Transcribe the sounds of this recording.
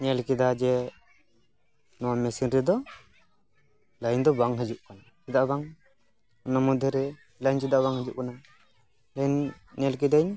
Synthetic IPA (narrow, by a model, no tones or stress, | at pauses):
ɲɛlkid̪ad͡ʒɛ | nɔwamɛsinɾɛd̪ɔ | lajɲd̪ɔbaŋɦəd͡ʒuʔkanasid̪aʔbaŋ | ɔnamud̪ʱːɛɾɛ | laɲt͡ʃid̪aʔβaŋhəd͡ʒuʔ̚kana | lan | ɲɛlk̬id̪aɲ